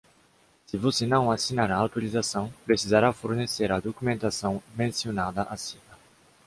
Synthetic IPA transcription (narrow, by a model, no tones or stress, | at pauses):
sivosenɐ̃w̃asinaɾaːwt̪uɾizasɐ̃w̃pɾesizaɾafoɾneseɾad̪okumẽnt̪asɐ̃w̃mẽnsionad̪ɐʔasinɐ